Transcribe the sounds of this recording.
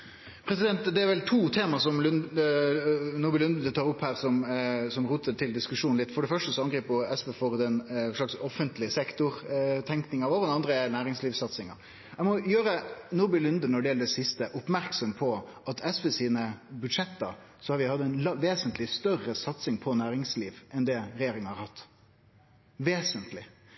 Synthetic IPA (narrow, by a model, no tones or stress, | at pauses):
pʰɾɛsɪd̪ɛnt̪d̪ɛæɾʋɛlt̪ʰuːt̪ʰeːmɑsɔmln | nʊbɪlʉnd̪d̪t̪ʰɑːɾʊphæːɾsɔmsɔmɾuːt̪ət̪ʰɪld̪ɪskʉʂuːn̩ɪt̪ːfɔɖɛfœʂʈəsɔɑŋɡɾiːpəɛsbeːfɔɾd̪ɛnʂɭɑksɔfənt̪lɪəsɛkt̪ʊɾt̪ʰɛŋknɪŋɑʋoːʁdɛnɑnd̪ɾənæːɾɪŋsliːʋsɑt̪sɪŋɑ̰ɾ | ɛɡmɔjøːɾənʊɾbɪlʉnd̪ənɔɖɛjɛləd̪ɛsɪst̪əʔʊpmæɾksɔmpʰɔʔɑt̪ɛsbəsiːnəbʉd̪ʂɛt̪ːə | sɔhɑɾʋɪhɑd̪ɛɪnlʋeːsənt̪lɪst̪œrəsɑt̪sɪŋpʰɔnæːɾɪŋsliːʋʔɛnd̪ɛɾɛjeːɾɪŋənhɑɾhɑt̪ː | ʋeːsənt̪lɪ